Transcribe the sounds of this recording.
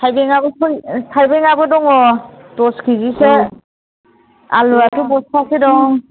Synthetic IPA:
sʰajbɛŋabɔsɔsʰajbɛŋabɔdɔŋɔtɔskʰiɡisɛ | a̰luatʊpɔstʰasidɔŋ

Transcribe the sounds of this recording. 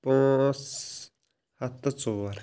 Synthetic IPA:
poŋs | hat̪ət͡sowar

